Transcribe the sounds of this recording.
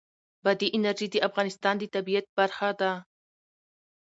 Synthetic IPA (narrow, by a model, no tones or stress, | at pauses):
bad̪iʔɪnaɾʒid̪iʔafɣɑnɪst̪ɑnd̪ət̪abijat̪̚b̥aɾxad̪a